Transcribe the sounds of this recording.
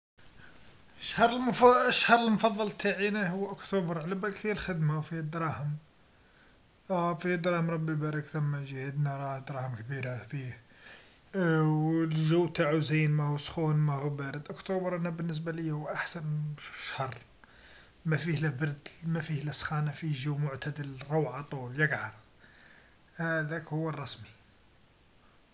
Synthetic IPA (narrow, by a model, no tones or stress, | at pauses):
əʃhɑɾˤəlmfəʃhɑɾˤəlmfɑðˤːɑlt̪ʰaʕinæhʊwːʔʊkt̪ubəɾˤʕlæbækfihælxəd̪mawfihæd̪ɾˤɑhəm | fihæd̪ɾˤɑhəmɾˤɑbːibæɾˤəkt̪æmːæʒhəd̪naɾˤɑhd̪ɾˤɑhəmkbiɾafih | wlʒəwːt̪aʕuzinmæhusxunmæhubæɾəd̪ʔʊkt̪ubəɾˤʔænæbənːəs̬balijhʊwʔaħsænʃu̥ʃhɑrˤ | mæfihlæbɑɾd̪mæfihlæsxɑnæfiʒuwːmʊʕt̪æd̪əlɾˤowʕɑt̪ˤuljəɡʕɑɾˤ | hæd̪ækhʊwːərˤːɑsmi